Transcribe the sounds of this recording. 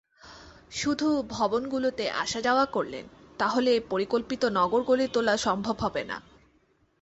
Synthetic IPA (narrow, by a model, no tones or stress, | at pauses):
ʃud̪ʱubʱɔbonɡulot̪eʔa̰ʃad͡ʑaoakoɾlḛnt̪aɦolepoɾikolpit̪onɔɡoɾɡolet̪olaʃɔmbʱobɦɔbena̰